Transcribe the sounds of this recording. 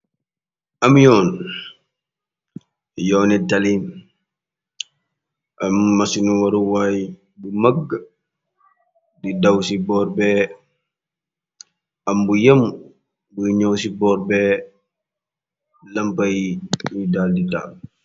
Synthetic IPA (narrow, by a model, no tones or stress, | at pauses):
ʔamjɔːn | jɔːnɛtalim | ʔamːasinuwaɾuwaj | bumaɡː | didawsibɔːɾbɛ | ʔambujam | buɲɔwsibɔːɾbɛ | lɐmpajudaːldita̰ːl